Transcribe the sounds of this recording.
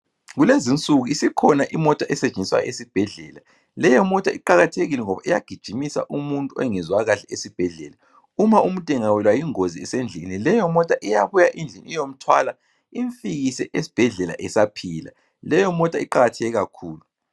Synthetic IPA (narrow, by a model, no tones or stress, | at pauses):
ɣulezint͡sʼuɣuisikʰɔnaʔimɔtʼaʔɛsɛt͡ʃʼend͡zʱi̥swa̰ʔesib̥ʱɛɮɛːla | lɛjɔmɔtʼaiǃaɣatʰeɣilɛŋɔβaʔɛjaɡ̥ʱid̥ʒ̥ʱimisa̰ʔumuntʼuɛŋizwaɣaɬɛesib̥ʱɛɮɛla | umaʔum̩tʼɛŋawɛlwajiŋoziɛsend͡ɮʱinilɛjɔmɔtʼaʔijaβujaʔind͡ɮʱiniijom̩tʰwala | iɱfiɣisɛʔesi̥b̥ʱɛɮɛla̰ʔɛsapʰiːla̰ | lɛjɔmɔtʼaḭǃaɣatʰeɣiɣakʰuːlu